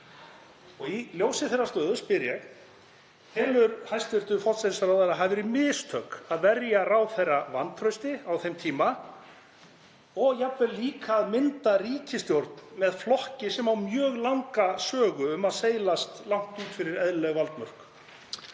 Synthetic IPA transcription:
ɔɣiljowsɪθɛrːast̪œːðʏspɪɾjɛɣ | hɛːlʏɾhajst̪ʏɾ̥t̪ʏfɔ̥t̪sɛt̪saɾawðaɾaɦavɪɾimɪːst̪ʰœkaðvɛɾjarawθejrːavant̪ʰɾœɥst̪ɪawθejmt̪ʰiːma | ɔɣjapvɛliːkaːðmɪnt̪ariːcɪst̪jowɾt̪̚nmɛðflɔhcɪsɛmawmjœːɣlawŋkasœːɣʏʏmaðseːjlast̪lawŋ̥t̪uːt̪fɪɾɪɾɛðlɛɣvalt̪mœr̥k

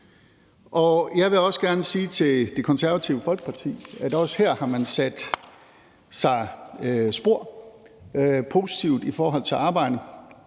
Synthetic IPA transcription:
ʔɒ̽jɑ̈ɪʋe̝ɒ̽səɡ̥æɐnəsiːt͡sʰe̝ld̥e̝kʰɒ̽nsæɐʋæt͡sʰiʊəfɒ̽lɡ̥pʰɑ̈t͡sʰḭːæd̥ɒ̽sheɐ̰hɑ̈mænsæd̥ | sɑ̈ɪsb̥o̝ɐ̰ | pʰo̝si̥t͡sʰiʊd̥ifɒːɦɒ̽l̰t͡sʰe̝lʔɑ̈ːb̥ɑ̈ɪ̰d̥ə

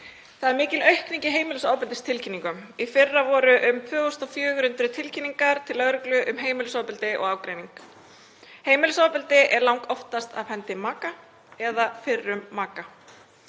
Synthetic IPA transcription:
θaðɛɾmɪːcɪlœɥhkniɲcɪɦeːjmɪlʏsaːwpɪlt̪ɪst̪ʰɪlcʰinːiŋkʏmifɪrːavɔːɾʏʔʏmfœːɣɔst̪ɔfjœːɣʏɾʏnt̪ɾʏt̪ʰɪlcʰinːiŋkaɾ̥t̪ʰɪlːœɣɾʏklʏʔʏmɦeːjmɪlʏsaːwpɪlt̪ɪʔɔ̰ɣaːwkɾejniŋk | heːjmɪlʏsawpɪlt̪ɪʔɛɾlawŋkɔft̪ast̪a̰fɛnt̪ɪmaːka | ɛðafɪrːʏmːaːka

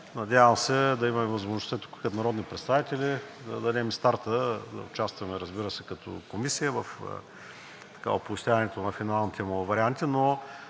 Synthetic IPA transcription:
nɐd̪ʲavəmsɛd̪ɐimɐmɛvɐzmoʒnʊst̪at̪u̥kkɐd̪nɐɾɔd̪nipɾɛt̪st̪avit̪ɛlʲid̪ɐd̪ɐd̪ɛmist̪aɾt̪əd̪ɐ̰ʊt͡ʃast̪vɐmɛɾɐzbiɾəsɛkɐt̪ɔ̰komisijəvəfə̰ | t̪ɐ̥ka̰opist̪ʲavɐnɛt̪onɐfinalˠnit̪ʰʲɛmovɐɾiant̪ino

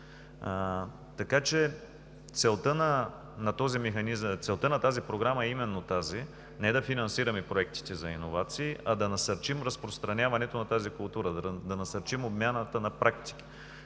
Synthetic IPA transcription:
t̪ɐkat͡ʃɛ | t̪sɛlˠt̪ənɐ | nɐt̪ɔzimɛxɐnizt̪sɛlˠt̪ənɐt̪azipɾoɡɾamɐɛimɛnːot̪azi | nɛd̪ɐfinɐnsiɾɐmɛpɾoɛk̚t̪i̥t̪ɛzɐinovat̪siːʔɐd̪ɐnɐsɐɾt͡ʃimɾɐspɾost̪ɾɐnʲavɐnɛt̪onɐt̪azikʊlˠt̪uɾəd̪d̪ɐnɐsɐɾt͡ʃimobmʲjanət̪ənɐpɾʔakt̪i̥k̟i̥

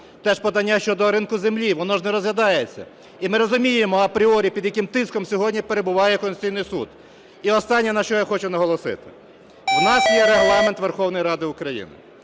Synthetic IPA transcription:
t̪ɛʃpɔd̪ɐnʲːaʃt͡ʃɔd̪ɔɾɪnkʊzemlʲiʋɔnɔʒnɛɾɔzʋjʲɐd̪ɑjet͡sʲːɐ̰ | imɪɾɔzʊmʲijemɔɐpɾʲiɔɾʲipʲid̪jɐkɪmt̪ɪskɔmsʲɔɦɔdʲnʲipeɾebʊʋɑjɛkɔnsʲijnɪjsṵd̪ | iɔst̪ɑnʲːɛnɐʃt͡ʃɔjaxɔt͡ʃʊnɐɦɔlˠɔsɪ̰t̪ɪ̥ | wnɑsjɛɾeɦlˠɑment̪ʋerxɔwnɔjiɾɑd̪ɪʊkɾɐjḭnɪ̰

